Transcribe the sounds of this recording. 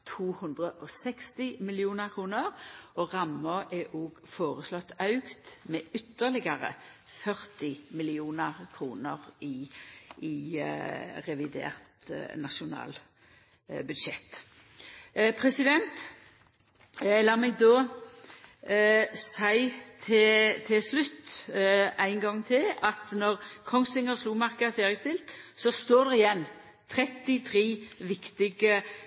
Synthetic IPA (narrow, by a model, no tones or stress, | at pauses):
t̪ʰuːhɵnd̪ʁəʔɔsɛkst̪ɪmɪlɪuːnəʁkʰʁuːnəʁɔʁɑmːəʔɛʔoːɡ | foːʁəslɔt̪ːɑʉkt̪meːʏt̪ːəʁlɪɡəʁə̰ | fœʁt̪ɪmɪlɪuːnəʁkʰʁuːnəʁɪ | ɪ | ʁɛʋɪd̪ḛːʁt̪nɑʃʊnɑ̰ːl | bʉd̪ʃɛt̪ː | pʰʁɛsɪd̪ɛnt̪ | lɑːmɛɡ̚d̪oː | sæɪt̪ʰɪt̪ʰɪlslʉt̪ː | æɪŋɡɑŋt̪ʰɪlɑt̪nɔʁkʰɔŋsɪŋəsluːmɑʁkəəfeːʁjəst̪ɪlt̪sɔst̪oːʁd̪ɛʁɪjɛnː | t̪ʰɾɛt̪ɪt̪ʰʁiːʋɪkt̪ɪɡə